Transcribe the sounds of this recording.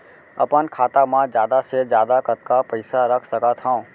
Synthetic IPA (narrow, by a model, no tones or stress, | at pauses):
ə̰pənkʰaːt̪amãd͡ʒjaːd̪ased͡ʒjaːd̪akət̪kapəɪsaɾəkʰsəkat̪ʰɦã